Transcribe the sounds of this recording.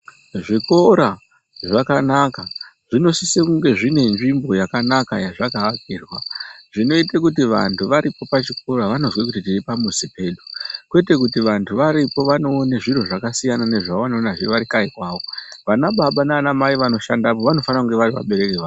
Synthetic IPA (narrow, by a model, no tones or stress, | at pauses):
ʐiko̞ɾa | ʐakanakaʐ̥ino̞sisekuŋɡe̞ʐine̞nʐimbo̞jakanakajaʐakaːk̚iːrwaʐ̥ino̞itekutiʋa̰ntuʋaɾipo̞pat͡ʃik̚o̞ɾaʋano̞zwek̬utitiripamusipe̞ɗukwe̞te̞kutiʋantʰuʋaɾipo̞ʋano̞ːneʐiro̞ʐakasijanane̞ʐaʋoʋano̞ːnaʐiʋaɾikaikwaːʋo̞ʋanaɓaɓananamaiʋano̞ʃandapoʋano̞fanakuŋɡe̞ʋaɾiʋa̰ɓe̞ɾekeʋa